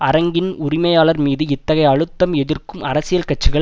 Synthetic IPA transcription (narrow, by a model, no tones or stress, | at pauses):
ɐɾɐŋɡɪnʊrɪmɐjaːɭɐɾmiːðɯɪt̪ːɐɣɐɪɐɻɯt̪ːɐmɛðɪrkɯmɐɾɐsɪjɐlkɐʈ̚t͡ʃːɯɣɐɭ